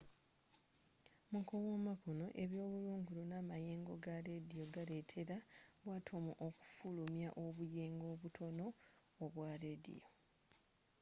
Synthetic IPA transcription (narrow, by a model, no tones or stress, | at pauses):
mukowomakono̞ʔe̞βjo̞ːβuluːŋɡulunamaje̞ːŋɡo̞ɡaɾedijo̞ɡaɾe̞tʰe̞ɾaβwaːtʰo̞muʔoku̥fulumjaʔoβujeːŋɡo̞ːβutʰo̞no̞ː | βwaɾedḭjo̞